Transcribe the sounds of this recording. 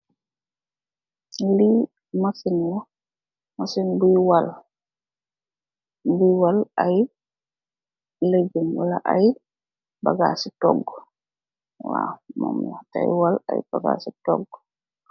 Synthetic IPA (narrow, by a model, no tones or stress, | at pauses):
ili | masinwɔ | masinbujwal | bujwalaj | led͡ʒɔmwalaʔaj | baɡasitɔ̰ɡːɔ | wa̰mɔ̰mja̰ta̰jwala̰jb̥aɡa̰sitɔ̰ɡːɔ